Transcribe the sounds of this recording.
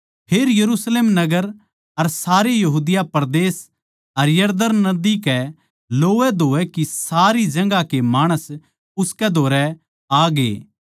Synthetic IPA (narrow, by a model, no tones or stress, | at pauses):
pʰeːɾjɐɾuːsleːmnɐɡəɾ | ɐɾsaːɾejɐɦuːd̪ɪjapɐɾd̪eːs | ɐɾjɐɾd̪ənnɐd̪ikɛ | loːʋɛd̪ʱoːɛkisaːɾid͡ʒɐ̃ŋɡakemaːɽ̃əs | ʊskɛd̪ʱoːɾɛ | aːɡḛː